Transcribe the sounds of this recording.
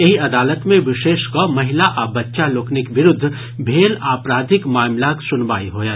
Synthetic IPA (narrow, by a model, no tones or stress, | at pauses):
jɐɦiɐd̪aːlət̪mẽʋɪʃeːʃkomɐɦɪlaʔabɐtːʃaloːknɪkbɪɾʊd̪ʱː | bʱeːlaːpɾaːd̪ʱɪkmaːmlaksʊnʋaːiɦoːjaː